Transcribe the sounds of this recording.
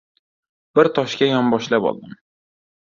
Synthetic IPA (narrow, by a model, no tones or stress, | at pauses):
b̥ɪɾt̪ʰɒʃkʲajɒmbɒʃlapɒ̰lˠd̪ɪm